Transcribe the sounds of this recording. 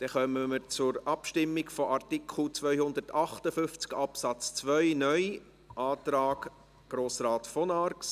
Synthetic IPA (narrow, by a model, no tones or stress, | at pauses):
d̪̥ɛχœməməɾt͡sʊɾɑpʃtɪmːɪɡfɔʔɑrtikʰχl̩t͡sʋœʏhʊnd̪ərtɑχtəfʏft͡skɑpsɑt͡st͡sʋœʏnœj | ʔɑːt̪ɾaːɡ | ɡ̥ɾoːsraːtfɔnɑɾks